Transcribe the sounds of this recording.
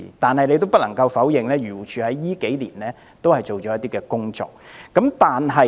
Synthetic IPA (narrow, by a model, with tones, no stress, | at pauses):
t̪aː˨nhɐ˨jnle˨˧jt̪o˥wpɐ˥t̚lɐ˨˩ŋkɐ˧wfɐ˨˥wjɪ˨ŋlɛː˥jyː˨˩t͡ʃʰyː˨hɐ˨˥jːiː˥ke˨˥jliː˨˩nɛː˥ | t̪o˥whɐ˨jt͡ʃo˨wt͡ʃɔː˨˥jɐ˥t̪iː˥kɛː˧kʊ˥ŋt͡sɔ̰ː˨k̚ːɐ˨˥mt̪aː˨nɦɐ˨